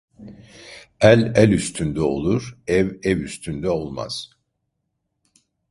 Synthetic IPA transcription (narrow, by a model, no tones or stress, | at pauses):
ælʲælʲyst̪ʰynd̪ɛo̞̰lˠuɾ̥ɛvɛvyst̪ʰynd̪ɛo̞lˠma̰z̥